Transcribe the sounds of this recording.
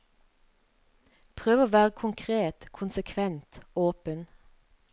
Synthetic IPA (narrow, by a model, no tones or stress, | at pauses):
pʰʁøːʋoːʋæːʁəkʰʊŋkʰʁeːt̪kʰʊnsəkʰʋɛnt̪oːpən